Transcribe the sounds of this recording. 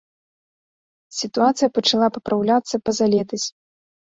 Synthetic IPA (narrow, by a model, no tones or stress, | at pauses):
sʲit̪uat̪sɨjɐpɐt͡ʂalˠapɐpɾʔawlʲat̪sːɐpɐzalʲɛt̪ɐsʲ